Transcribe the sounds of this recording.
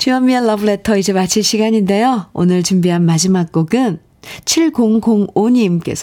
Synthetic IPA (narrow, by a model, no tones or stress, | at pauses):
t͡ɕiʌmiʌːʌbɯɭe̞tʰʌid͡ʑe̞mat͡ɕʰiɭɕʰiɡaɲinde̞joo̰nɯɭt͡ɕumbiɦanmad͡ʑimak̚k͈oɡɯn | t͡ɕʰiɭɡoŋɡoŋoɲimk͈e̞̰sʰʌ